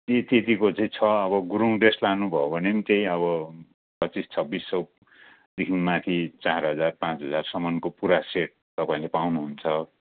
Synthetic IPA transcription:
t̪et̪et̪ikot͡sʌj̃t͡sʰʌʌβʌɡuɾuŋɖeslanubʱʌobʱʌnemit̪ej̃ʌβʌ | pʌt͡sist͡sʰʌbisːʌ | d̪ikʰinmat̪ʰit͡sarɦʌd͡zarpãt͡sɦʌd͡zarsʌmʌnkopuɾaseʈ̚t̪ʌpãĩlepawnuɦunt͡sʰʌ

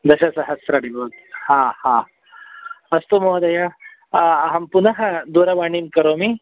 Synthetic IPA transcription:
d̪ɐɕɐsɐɦɐsɾɐɽiboːt̪̚hãhã | ɐst̪omoɦɐd̪ɐja | ɐɦɐmpunɐɦɐd̪uɾɐbaɳimkɐɾomi

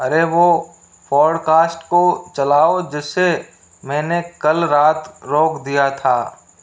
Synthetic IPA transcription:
ɐɾeʋo | fʰɔːɽkaːsʈkot͡ʃɐlaːod͡ʒɪsːe | mɛ̃ːnekɐlɾaːt̪ɾoːkʰd̪ijat̪ʰaː

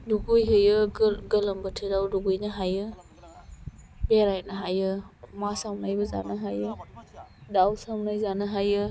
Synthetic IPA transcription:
duɡujɦɯjɯɡəlɐmbətʰɯdawduɡujnɯɦajɯ | beɾajnaɦajɯmasawnajbɐza̰naɦajɯ | dawsawnajzanɯɦajɯ

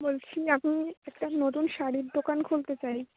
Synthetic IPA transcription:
bolt͡ɕʰiamiɛk̚ʈanot̪unʃaɽiɾd̪okankʰolt̪et͡ɕaj

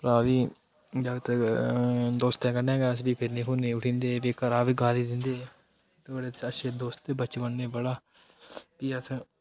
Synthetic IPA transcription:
pɾaːʋiː | d͡ʒaːɡt̪ | d̪oːst̪ɛ̃ːkəɾnẽːɡɛːəs̬biːpʰɪɾnẽːkũːnẽːʊʈʰĩːnd̪eːʋeːkəɾaːʋiːɡaːliːd̪ɪnd̪eː | t̪ːɽeːəʃʰeːd̪oːst̪ebət͡ʃʋənneːbəɽaː | piːəs

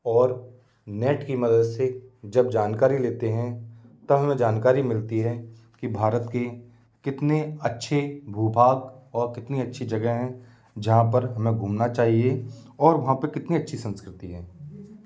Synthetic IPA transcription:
ɔːɾ | nɛːʈkimɐd̪əd̪sed͡ʒɐb̚d͡ʒaːnkaːɾileːt̪eɦɛ̃t̪ɐɦɐmẽd͡ʒaːnkaːɾimɪlt̪iɦɛ | kibʱaːɾət̪ke | kɪt̪neɐtːʃʰebʱuːbʱaːɡɔːɾkɪt̪niɐtːʃʰid͡ʒɐɡəɦɦɛ̃ | d͡ʒɐɦãpɐɾɦɐmẽɡʱuːmnat͡ʃaːɦieɔːɾʋɐɦãpɐkɪt̪niɐtːʃʰisə̃nskɾɪt̪iɦɛ̃ː

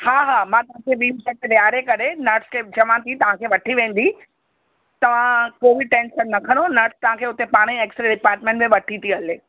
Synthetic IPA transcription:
haːɦaːmãːt̪ɐʋ̤ãkʰeʋiːsɛk̚t̪eʋjaːɾekɐɾenɐɾʈskʰeːt͡ɕɐʋãt̪ʰit̪ɐʋ̤ãkʰeːʋɐʈʰiʋẽːn̆d̪i | t̪ɐʋ̤ãkoːbɪʈẽːnʃənːɐkʰə̃ɽ̃onɐɾʈst̪ɐʋ̤ãkʰeːʊt̪epaːɽ̃ĩeːksɾeɖɪpaːɾʈ̚mẽɳʈmẽʋɐʈʰit̪ʰiɐleː

